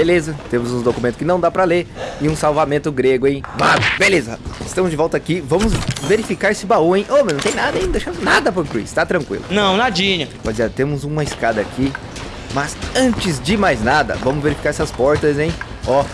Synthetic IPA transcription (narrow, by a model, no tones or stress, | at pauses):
belezɐt̪ẽmʊzũd̪okumẽnt̪ʊ̥skɪnɐ̃w̃d̪apɾɐleɾɪũsawvamẽnt̪ʊɡɾeɡʊẽj̃vad̪ʊbelezɐɪst̪ɐ̃mʊzd͡ʒɪvɔwt̪ɐakivɐ̃mʊzveɾifikaɾesɪbaũẽj̃ʔomnɐ̃t̪ẽj̃nad̪ɐẽj̃ñd̪eʃɐ̃mʊnad̪ɐpoɾkɾḭst̪at̪ɾɐ̃ŋkwḭlʊ̰nɐ̃w̃nad͡ʒĩɲɐpɔd͡ʒɪzet̪ẽmʊzũmɐiskad̪ɐːki | mɐzɐ̃nt͡ʃɪzd͡ʒɪmajznad̪ɐ̰vɐ̃mʊzveɾifi̥kaɾɛsɪɐspɔɾt̪ɐzẽj̃ | ɔ